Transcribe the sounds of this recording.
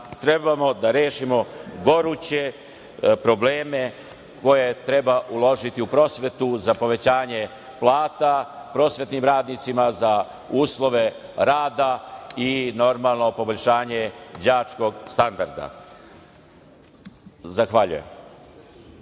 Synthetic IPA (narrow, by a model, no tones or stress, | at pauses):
t̪ɾe̞bamo̞d̪aɾeːʃimo̞ɡo̞ɾut͡ɕe̞ | pɾo̞bleːme̞ | kʰo̞je̞t̪ɾe̞baʔulˠo̞ʒit̪iupɾo̞ːsʋe̞t̪uzapo̞ʋe̞t͡ɕaːɲe̞ | plˠaːt̪apɾo̞ːsʋet̪nimɾaːd̪nit̪simaza | uːslˠo̞ʋe̞ɾaːd̪aino̞ɾmalˠno̞po̞boʎʲʃaːɲe̞d͡ʑaːt͡ʃko̞ɡst̪and̪aɾd̪a̰ | zaxʋaʎṵje̞m